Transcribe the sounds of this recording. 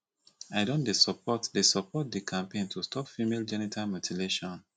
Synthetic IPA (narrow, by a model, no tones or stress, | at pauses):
aɪdõndesɔpɔtdesɔpɔt̚dikʰãmpẽntʰustʰɔpfimeld͡ʒɛnitʰalmjutʰileʃɔ̃n